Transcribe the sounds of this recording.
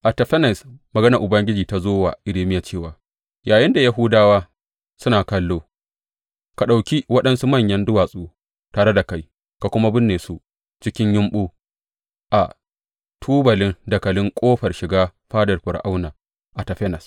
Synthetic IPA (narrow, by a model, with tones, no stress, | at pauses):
ʔa˨tɐ˨ɸɛ˦nɐ˨smɐ˨ɡɐ˦nɐ˨rʔʊ˨bɐ˦ŋɡʲɪ˦d͡ʒiː˨ta˨zoː˦wa̰ː˨ʔɪ˨leː˦mɪ˦ja˨t͡ʃeː˦˨waː˨ | jaː˨jɪ˦nda˨ja˦ɦʊː˦daː˦waː˦ | sʊ˦naː˨kɐ˦lːoː˦ | ka˨ɗa˨wkʲi˦wɐ˦ɗɐ˦nsu˦mɐ˦˨ɲjɐ˦ndʊ˦waː˨sʼuː˦ | taː˨ɽe˦da˨ka˦j | ka˨kʷʊ˦ma˦bɪ˦nːeː˨su˦ | t͡ʃɪ˦kʲɪ˦ɲjɪ˦mɓuː˦ | ʔa˨ | tʰuː˦bɐ˨lɪ˦ndɐ˨kɐ˨lɪ˦ŋkʷʼoː˦ɸɐ˨rʃɪ˨ɡaː˦ɸaː˦dɐ˨rɸʊ˨ɽʔa˦wnaː˨ | ʔa˨tɐ˨ɸɛ˦nɐ˨s